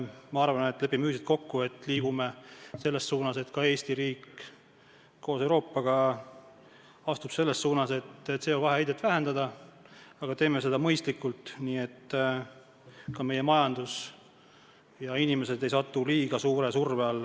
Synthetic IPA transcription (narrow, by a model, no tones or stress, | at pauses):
mɑɑrvɑne̞t̪ːˑle̞pːimyːsit̪̚ko̞kːue̞t̪ːˑliːɡ̥umese̞lːe̞ssuːnɑse̞t̪kɑe̞ːsʲt̪iɾiːk | ko̞ːsewɾo̞ːpːɑɡ̥ɑ | ɑst̪ub̥se̞lːesːuːnɑse̞t̪ːse̞ːovɑɦeæjd̪̥et̪ːvæɦend̪ɑd̪ɑ | ɑɡ̥ɑt̪e̞ːmese̞d̪̥ɑmɤ̞jst̪likːult̪ˑniːe̞t̪ː | kɑme̞je̞mɑjɑnd̪̥us | jɑinime̞se̞d̪e̞jsɑt̪ːuliːɡ̥ɑsuːɾe̞surveɑlː